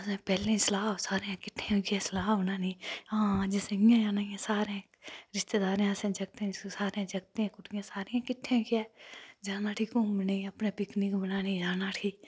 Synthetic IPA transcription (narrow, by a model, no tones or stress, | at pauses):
sẽpɛːlẽsɐlaːbsaːɾeãkɪʈʰːẽʊkɛːsɐlaːbnaːniːãːd͡ʒeseɡijãjaːnaːãsaːɾeẽ | ɾɪʃt̪ed̪aːɾẽɐsẽd͡ʒɐɡ̚t̪ẽsaːɾeãd͡ʒɐɡ̚t̪eãkʊʈjãːsaːɾeãkɪʈʰːẽkɛːd͡ʒaːnaːʈʰiːkũbəneɐpnepɪknikbɐnaːnid͡ʒaːnaːʈʰiː